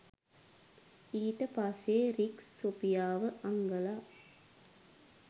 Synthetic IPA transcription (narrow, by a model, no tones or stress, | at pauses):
iːʈɐpaːseːɾiksːopijaːʋəʔɐŋɡɐlaː